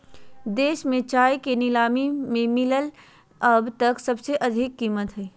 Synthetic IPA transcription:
d̪eːʃmẽt͡ʃaːjkenɪlaːmimẽmɪləl | ɐbt̪ɐksɐbseʔɐd̪ʱɪkːiːmət̪ɦɛː

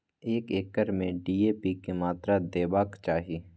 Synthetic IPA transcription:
eːkeːkəɾmẽɖiːeːpikemaːt̪ɾad̪eːbaːkt͡ʃaːɦiː

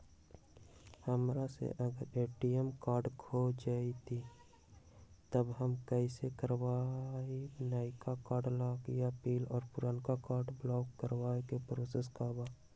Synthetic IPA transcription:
həmɾasḛʔəɡəɾeːʈiəmkaːɾɖkʰod͡ʒaːit̪ʰi | t̪əbɦəmkɛːɪsekəɾwaːibnaːɪkakaːɾɖlaːɡɪjapiːlɔːɾpʊɾankakaːɾɖblɔːkːəɾwaːekepɾoːseskaːbaː

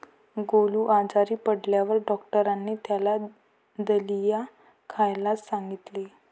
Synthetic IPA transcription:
ɡoluːʔad͡zaɾiːpəɽljaʋəɾɖɔkʈəɾanːiːt̪jala | d̪əlija | kʰajlasãŋɡit̪le

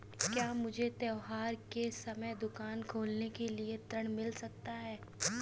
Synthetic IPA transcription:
kjaːmʊd͡ʒʱet̪ɛɦaːɾkesɐməjd̪ʊkaːnkʰoːlnekeliet̪ɾəɽ̃mɪlsɐk̚t̪aɦɛː

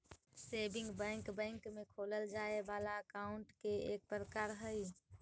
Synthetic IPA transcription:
seːbɪ̃ŋɡbə̃ŋkbɛ̃ŋkmekʰoləld͡ʒaebaːlaəkaʊɳʈkeeːk̚pɾəkaɾɦəj

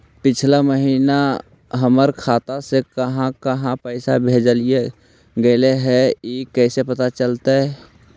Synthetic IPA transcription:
pɪt͡ʃʰlaməɦiːna | ɦəməɾkʰaːt̪asekəɦãkəɦãpəɪsabʱeːd͡ʒəlie | ɡəleɦɛikɛːsepət̪at͡ʃəlt̪aɦɛ

